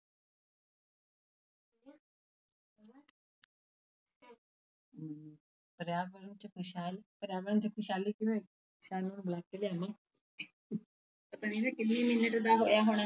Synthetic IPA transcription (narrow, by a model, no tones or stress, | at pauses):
pəɾjaːʋəɾənt͡ʃəkʰʊʃaːlpəɾjaːʋəɾənt͡ʃəkʰʊʃaːlikioe | saːnũnblaːkeleaːmãː | ət̪əniːnakɪt̪niːmɪnəʈd̪aːɦoːjaːɦoːɽ̃a